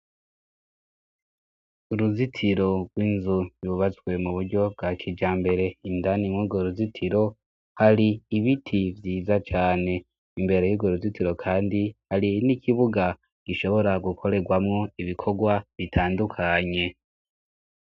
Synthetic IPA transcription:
uɾuzitʰiɾo̞ɡwiːnzujuβat͡swe̞muβuɾɟo̞bɡakʰid͡ʒaːmbe̞ɾe̞indanimwuːɡoɾuzitʰiɾo̞ | haɾiːβitʰivjiːzat͡ʃaːne̞ | imbe̞ɾejuɡoɾuzitiɾo̞kʰaːndihaɾinikiβuɡa | ɡ̥iʃo̞βo̞ɾaɡukʰo̞ɾe̞ɡwamŋo̞iβikʰo̞ɡwaβitʰaːndukʰaɲe̞

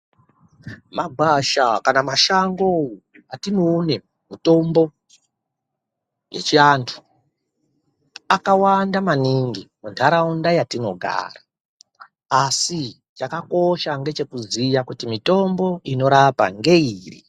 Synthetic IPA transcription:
maɡʱwaʃakanamaʃaŋɡow | atinoːne | mito̞mbo̞ | je̞̰t͡ʃiantʰu̥ | akawandamaniŋɡimuntʰaɾaundajatino̞̰ɡʱa̰ːraː | si | t͡ʃakako̞ʃaŋɡe̞t͡ʃe̞kuzijakutimito̞mbo̞ino̞ɾapa̰ŋɡe̞iːrḭ

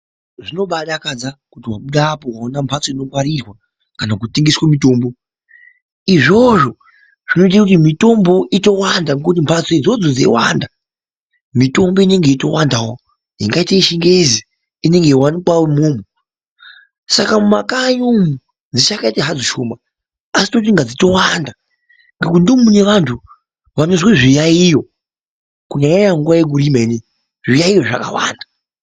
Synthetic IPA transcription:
ʐino̞ɓaɗakad͡zakutiwaɓuɗaːpowaonampʰat͡soino̞kwaɾirwa | kanak̬utiŋɡiswamito̞ːmbo | iʐo̞ʐo̞ | ʐ̥inoit̬akutimito̞mbo̞ʔito̞wandaŋkut̬impʰat͡soid͡zod͡zod͡zḛwanda | mito̞mbo̞ine̞ŋɡe̞ito̞wandawo | jḭŋɡaitaiʃiŋɡezi | ine̞ŋɡe̞iwanikwawomoːmu | sakamuma̰kaɲomu | d͡zit͡ʃakaitaɦad͡zoʃomaː | si̥to̞t̬iŋɡad͡zito̞wanda | ŋɡekundimuneʋantʰu | ʋamizweʐijaijo | kuɲaɲajaŋɡuʋajek̬uɾimeni | ʐijaijo̞ʐaka̰wa̰ːnda

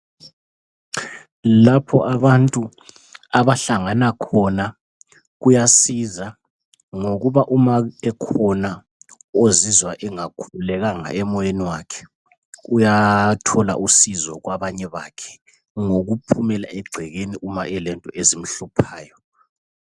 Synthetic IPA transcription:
lapʰɔ̰ʔaβantʼu | aβaɬaŋanakʰɔna | ɣujasiza | ŋoɣuβaʔumaɛkʰɔna | ozizwaʔɛŋakʰululɛɣaŋa̰ɛmɔjeniwakʰɛ̥ | ujatʰɔla̰ʔusizɔ̰ɣwaβaɲɛβa̰kʰɛ̥ | ŋoɣupʰumɛla̰ʔɛɡ͡ǀʱɛɣeniʔumaɛlɛntʼɔezim̩ɬupʰaːjɔ

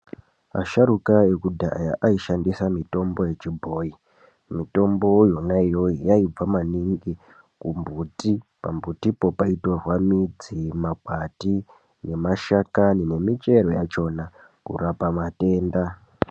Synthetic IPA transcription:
a̰ʃaɾukaekudʱa̰ja̰ʔaiʃandisamito̞mbo̞je̞t͡ʃibʱo̞ːi | mito̞mbo̞jonaijo̞ijaib͡vamaniŋɡi | kumbutipa̰mbutipo̞paitorwamid͡zimaɡwati | ne̞maʃakanine̞mit͡ʃe̞ɾo̞jat͡ʃo̞na | kṵrapamate̞ːnda

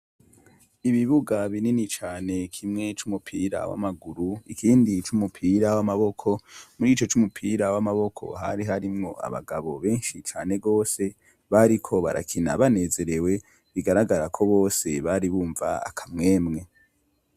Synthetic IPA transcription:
iβiβuɡaβininit͡ʃaːne̞kʰimŋe̞t͡ʃumupʰiɾa̰wa̰maɡuɾuikʰiːndit͡ʃumupʰiːɾawamaβo̞kʰo̞muɾiːt͡ʃo̞t͡ʃumupʰiːɾawamaβo̞kʰo̰ɦa̰ɾiɦaɾimŋo̞a̰βa̰ɡaβo̞βe̞ːnʃit͡ʃaːne̞ɡo̞ːse̞ | βaɾikʰo̞βa̰ɾʔa̰kʰina̰βane̞ze̞ɾe̞we̞ | βiɡaɾaɡaɾakʰo̞βo̞ːse̞βaɾiβuːɱva̰a̰kʰamŋe̞ːmŋe̞

